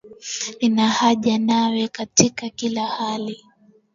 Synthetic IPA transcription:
inahaʄanawɛkatikakilahali

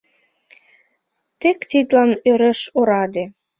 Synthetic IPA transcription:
t̪ekt̪id̪lɑnøɾeʃoɾɑd̪e

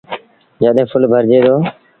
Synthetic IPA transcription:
d͡ʒaːɗ̪ẽːpʰʊlbʱəɾd͡ʒeːd̪oː

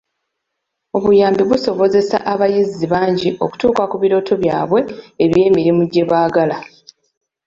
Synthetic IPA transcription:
o̞βujaːmbiβuso̞βo̞ze̞sa̰ʔaβajiziβaːɲɟiʔo̞ku̥tuːkakuβiɾo̞ːtʰo̞βjaːβwe̞eβje̞ːmiɾimuɟːe̞βaːɡala

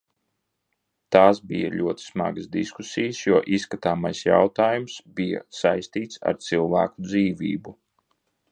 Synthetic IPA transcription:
t̪aːsbḭja̰lʲʔuɔt̪i̥sma̰ɡəsd̪iskusijəsjuɔʔisːkat̪aːmajsja̰wt̪aːjumsbija̰sajst̪iːt̪sa̰ɾt̪silˠvæ̰ːkud̪ziːvʲḭːbu

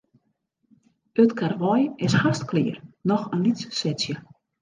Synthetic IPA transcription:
ətkʰarʋɔjɪshastklɪərnɔxənlitssɛtsjə

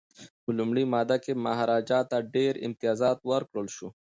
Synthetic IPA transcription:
bulumɽimɑːd̪akemaɦɾɑːd͡ʒɑːt̪aɖeɾɪ̰mt̪ijɑːzɑːt̪wɐɾkɽəlʃu

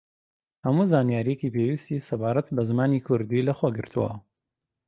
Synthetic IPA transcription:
hɐmuːzaːnijaːɾijecipewist̪isɐbaːɾɐt̪bɐzɨmaːnikʰʊɾd̪ilɐxwoɡɨɾt̪ʰuwɐ̰

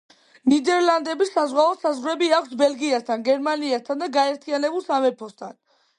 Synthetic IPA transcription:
nid̪ɛɾland̪ɛbisːazʁaɔsazʁɾɛbiakʷʰsbɛlɡiast̪ʰanɡɛɾmaniast̪ʰand̪aɡaɛɾt̪ʰianɛbulˠsamɛɾpʰɔst̪ʰan

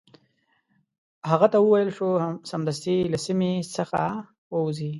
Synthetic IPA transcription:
haɣat̪awəwajəlʃosamd̪as̬t̪ilasimesəxa | wəwzi

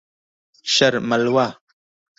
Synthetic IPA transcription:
ɕɐɾmɐlwa

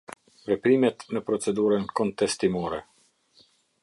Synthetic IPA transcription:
ɾɛpɾimɛt̪nəpɾɔt͡sɛd̪uɾənkɔnt̪ɛst̪imɔɾɛ

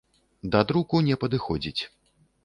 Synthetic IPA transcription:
d̪ɐd̪ɾukunʲɛpɐd̪ɨxɔd͡zʲit͡sʲ

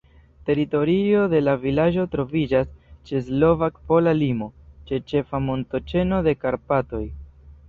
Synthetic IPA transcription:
te̞ɾito̞ɾio̞de̞lavilad͡ʒo̞tɾo̞vid͡ʒast͡ʃe̞slo̞vakpo̞lalimo̞t͡ʃe̞t͡ʃe̞famo̞nto̞t͡ʃe̞no̞de̞kaɾpato̞j

